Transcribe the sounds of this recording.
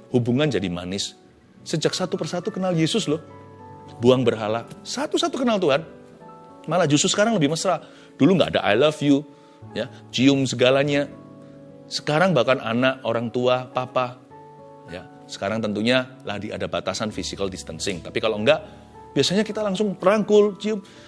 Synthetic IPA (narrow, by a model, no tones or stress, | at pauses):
hubuŋand͡ʒadima̰nɪsː | əd͡ʒak̚sat̪upərsat̪ukənaljesʊslʊh | buaŋbərɦalasat̪usat̪ukənalt̪uɦan | malad͡ʒust̪ʊsə̥kaɾaŋləbɪhməsɾa | d̥uluŋɡa̰ʔːda̰ʔa̰jlafju | jad͡ʒiʊmsəɡalaɲa | sə̥kaɾaŋbakananaʔʔoɾaŋt̪uapapa | ja̰ | sə̥kaɾaŋt̪ənt̪uɲa | la̰dia̰dabat̪asanfisikaldist̪ənsɪŋt̪apikaloŋɡaʔ | b̥iasaɲakit̪alaŋsʊŋpəɾaŋkʊld͡ʒiʊm